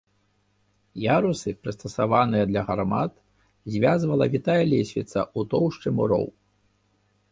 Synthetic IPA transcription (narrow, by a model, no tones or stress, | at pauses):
jaɾusɨpɾɨst̪ɐsavanɨjɐd̪lʲɐɣarmat̪ | zʲvʲazvɐlˠɐvʲit̪ajɐlʲesʲvʲit̪sɐʔut̪ɔwʂt͡ʂɨmuɾɔ̰w